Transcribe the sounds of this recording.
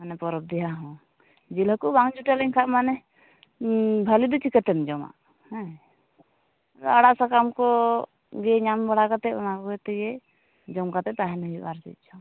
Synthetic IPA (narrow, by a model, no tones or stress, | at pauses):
manɛpɔɾɔp̚d̪ɛɦaɦɔ̃ | d͡ʒilɦɔkubaŋd͡ʒuʈɛlɛŋkʰamanɛ | bʱalid̪ut͡ʃʰikɛt̪ɛmd͡ʒɔma̰ | hɛ̃ | aɽaʔsakamkɔ | ɡɛɲambɔɽakat̪ɛɔ̰nakɔɡɛt̪ɛɡɛ | d͡ʒɔmkat̪ɛt̪aɦɛnəɦibaɾsḭt̪̚t͡ʃʰɔ